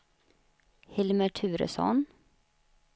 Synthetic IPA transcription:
hɪlməʈʰʉːɾə̰sɔ̰n

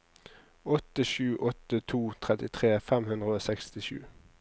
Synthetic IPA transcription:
ɔt̪əʃʉːʔɔt̪ət̪ʰuːt̪ʰʁɛt̪ɪt̪ʰʁeːfɛmhʉnd̪ʁəoːsɛkst̪ɪʃʉ̰ː

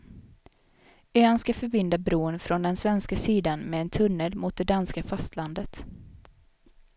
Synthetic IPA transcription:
øːanskafœɾbɪnd̪abɾuːənfɾɔnd̪ɛnsvɛnskasiːd̪anmɛːnt̪ʰɵnːəlmʊt̪̚d̪ɛd̪anskafast̪land̪ət̪

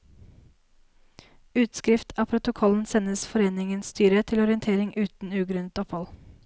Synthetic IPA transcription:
ʉːt̪skɾɪft̪ʰɑːpʰɾʊt̪ʊkʰɔln̩sɛnəsfɔɾeːnɪŋənsst̪ʰyːɾət̪ʰɪlɔɾɪənt̪ʰeːɾɪŋʔʉːt̪n̩ʉːɡɾʉnət̪ɔphɔl

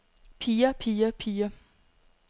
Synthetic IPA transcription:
pʰiːɐpʰiːɐpʰiːɐ

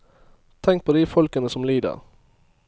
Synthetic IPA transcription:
t̪ʰɛŋk̚pʰoːd̪ifɔlkənəsɔmliːd̪ə̰ʁ

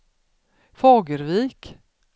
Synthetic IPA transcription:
fɑːɡəɾviːk

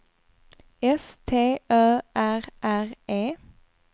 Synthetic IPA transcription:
ɛst̪ʰeːʔøːʔæʁʔæʁʔeː

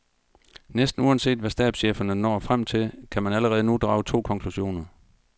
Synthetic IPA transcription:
nesd̥n̩uænse̝̰ːd̥ʋæsd̥ɛ̰b̥ɕḛːfɐnənɒ̰ːfʁam̰t͡sʰe̝lkʰæmænæləʁɛːð̞̩ˠənud̥ʁɑ̈ʊt͡sʰo̝̰ːkʰɒ̽ŋkʰluɕo̝̰ːnɐ

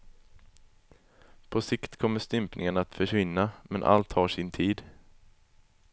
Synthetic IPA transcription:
pʰɔsɪkt̪kʰɔmːəʂt̪ʏmpnʔɪŋənat̪fœʂvɪnːamʔɛnʔa̰lt̪haʂɪnt̪ʰiːd̪

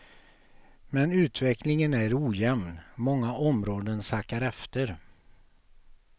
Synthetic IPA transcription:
mɛnʉ̟ːt̪vɛklɪŋənæɾuːjɛmnmɔŋːaʔɔmɾoːd̪ənsakaɾɛft̪əɾ

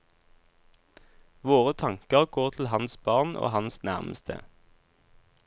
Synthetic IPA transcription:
ʋoːʁət̪ʰɑŋkəʁɡ̥oːʁt̪ʰl̩hɑnsbɑːʁnʔo̰ːhɑnsnæʁməst̪ʰə̰

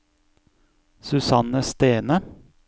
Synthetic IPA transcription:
sʉsɑnəst̪eːnə

